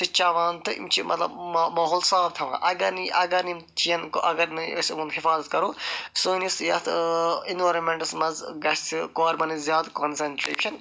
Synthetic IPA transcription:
t̪ɨt͡ʃaːʋaːnt̪ɨḭmt͡ʃʰimʔɐ̰t̪lɐ̰bmɐɦoːlsaːb̚t̪ʰɐʋã̰ːʔɐɡɐniʔɐɡɐɾnimt͡ʃijɐnkoʔɐɡɐɾnɨɐsmunɦifaːzɐt̪̚kɐɾoːsuːnisjɐt̪ʰinʋɐːɾɐnmeɳʈɐsmɐzɡɐst̪ʰikoːɾmɐnizʲjaːd̪konsɐɳʈɾḛːt͡ʃʰɐn

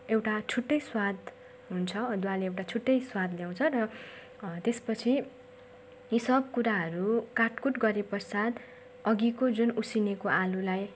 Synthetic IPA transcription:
ewʈat͡sʰuʈːʌjswad̪ | ɦunt͡sʰʌd̪uwaleewʈat͡sʰuʈːʌjswad̪ljaw̃t͡sʰʌɾʌ | t̪espʌt͡sʰi | jisʌb̚kuɾaɦʌɾukarʈkuʈɡʌɾepʌrsad̪ | ʌɡikod͡zunusinekoʔalulaj

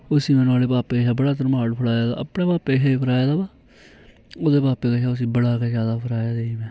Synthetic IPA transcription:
ʊsiːmɛ̃ːnũaːleːpaːpeaːbəɽaːt̪̬əɾmaːɽpʰəɽaːjaːd̪a̰ːə̰pɳeːpaːpeːɦeːpʰəɾaːjeːd̪aːbaː | oːd̪eːpaːpeːkɛʃaːʊs̬iːbəɽaːked͡ʒjaːd̪aːpʰəɾaːjaːd̪eːiːmɛ̃ː

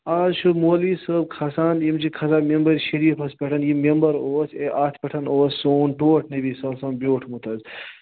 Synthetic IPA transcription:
aːzʃuɾmoːliːsəb̚kʰɐsaːnjimt͡ʃikʰɐzaːmembɐɾʃɐɾiːfʰɐspʲeʈʰɐnjimembɐɾoːseʔaːt̪ʰpʲeʈʰɐnoːsːoːnʈoːʈʰnebiːsɐlsɐmbjoːʈʰmut̪ʰɐz

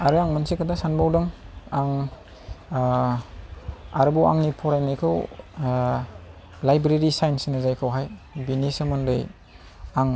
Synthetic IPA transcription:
aɾɯaŋmansikʰadasanbawdɔŋaŋ | a̰ɾɯbɔwa̰ŋnipʰɔɾajnajkʰɯw | lajbɾeɾisajnsnazajkʰɯwɦajbinisɐmɯndɯj | aŋ

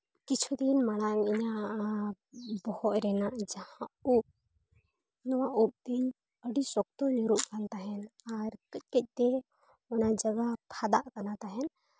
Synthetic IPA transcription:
kit͡ʃʰud̪inmaɽ̃aŋiɲa | bɔhɔt̪ɾɛnaʔd͡ʒahãup̚ | nɔwaʔup̚d̪iɲ | əɖisɔk̚t̪ɔɲiɾuʔkant̪aɦɛnaɾkəc̚kəc̚ˀt̪ɛ | ɔnad͡ʒəɡapʰad̪aʔkanat̪aɦɛn

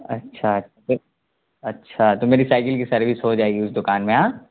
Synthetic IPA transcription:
ɐ̰tːʃʰaɐtːʃʰat̪o | ɐtːʃʰat̪omeːɾisaːɪkɪlkisɐɾʋisɦod͡ʒaːeɡiʊsd̪ʊkaːnmẽaː

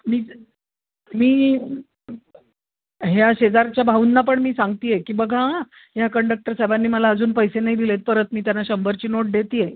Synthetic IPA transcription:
miː | miː | ɦjaɕed͡zaɾt͡ɕjabʱauːnːap̬əɳmiːsaŋɡt̪iːjekiːbəɡʱa | ɦjakəɳɖək̚ʈəɾsajbanːiːməlaəd͡zuːnpəjsenaɦid̪ilet̪̚pəɾət̪miːt̪janːaɕəmbəɾt͡ɕiːnoʈ̚d̪et̪iːje

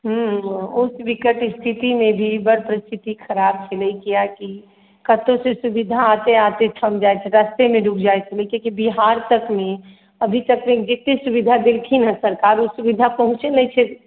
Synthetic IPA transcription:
ɦəusbikəʈɪst̪ʰit̪imẽbʱibəɾpɾist̪ʰit̪ikʰəɾab̚t͡ʃʰɛlɛikijaki | kət̪õsesubid̪ʱaːt̪eat̪eʈʰəmd͡ʒajt͡ʃʰɛɾəst̪emẽɖukʰd͡ʒaet͡ʃʰɛlekikibiɦaɾt̪əkme | əbʱit̪əkmed͡ʒet̪esubid̪ʱad̪ilkʰinɦə̃səɾkaɾusubid̪ʱapəɦʊ̃t͡ʃenəjt͡ʃʰɛ

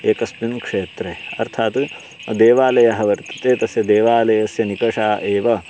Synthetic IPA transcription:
eːkɐsmjunkʂeːt̪ɾeːɐ̰ɾt̪ʰaːt̪ | d̪eːʋaːlɐjɐɦɐʋɐɾt̪ɐ̥t̪eːt̪ɐsjɐd̪eːʋaːlɐjɐsjɐnikɐʂaːʔeːʋɐ

